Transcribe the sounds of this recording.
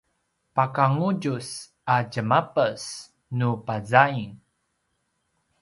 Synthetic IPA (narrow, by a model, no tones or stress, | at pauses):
pakaŋuɟus | aɟəmapəs | nupazaiŋ